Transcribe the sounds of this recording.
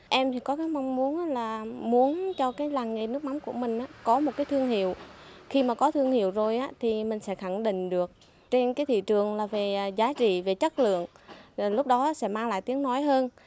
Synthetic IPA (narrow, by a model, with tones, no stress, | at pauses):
ʔɛ˧mt̪ʰi˨˩kɔ˨˦kaː˨˦jma˧wŋ͡mmu˨˦ənʔaː˨˦laː˨˩mu˨˦ənt͡ɕɔ˧kaː˨˦jlaː˨˩ŋŋe˨˩nɨ˦˥ək̚ma˨˦wŋ͡mku˧˩əmï˨˩ŋ̟ʔaː˨˦kɔ˨˦mo˨˩t̚kaː˨˦jt̪ʰɨ˧əŋhḭ˧˨əwxi˧maː˨˩kɔ˨˦t̪ʰɨ˧əŋhi˧˨əwzo˨˩jʔaː˨˦t̪ʰi˨˩mï˨˩ŋ̟sɛ̰˧˥xa˧˩ŋɗḭ̈˧˨ŋ̟ɗɨ˨˩ək̚ | t͡ɕe˧nkaː˨˦jt̪ʰḭ˧˨t͡ɕɨ˨˩əŋlaː˨˩ve˨˩zaː˨˦t͡ɕḭ˧˨ve˨˩t͡ɕə˦˥t̚lɨ̰˧˨əŋ˨˩lʊ˦˥k͡p̚ɗɔ˨˦aː˧˦sɛ̰˧˥maː˧ŋla̰ː˧˨jt̪i˨˦əŋnɔ˨˦jɦəː˧n